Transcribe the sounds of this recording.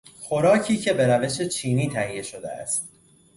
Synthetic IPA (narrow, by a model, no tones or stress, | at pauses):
xo̞ɾɒːcʰiːcʰe̞be̞ɾæve̞ʃe̞t͡ʃʰiːniːt̪ʰæhijːe̞ʃo̞d̪ḛæ̰st̪